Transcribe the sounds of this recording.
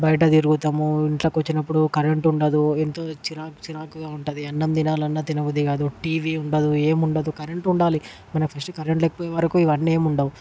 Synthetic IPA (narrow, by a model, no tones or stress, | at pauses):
bɐjɐʈ̬ɐt̪iɾuɡut̪aːmuiɳʈlɐkʋɐt͡ʃːinɐpːuɽukɐɾeɳʈuɳɖɐd̪uent̪o̞ːt͡ʃiɾaːkt͡ʃiɾaːkuɡaːuɳʈɐd̪iɐnːɐmd̪inaːlɐnːɐt̪inɐʋud̪iɡaːd̪uʈiːʋiuɳɖɐd̪ueːmuɳɖɐd̪ukɐɾeɳʈuɳɖaːli | mɐnɐpʰɐsʈkɐɾeɳʈlekːɐ̥poːjeʋɐɾɐkuiʋɐnːeːmuɳɖɐmu